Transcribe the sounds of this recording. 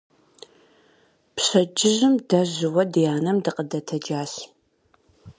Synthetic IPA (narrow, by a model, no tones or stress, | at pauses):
pɕɐd͡ʒɪʑɪmdɐʑɪwɐdɨjaːnɐmdɨqʼədɐtʰɐd͡ʒaːɬ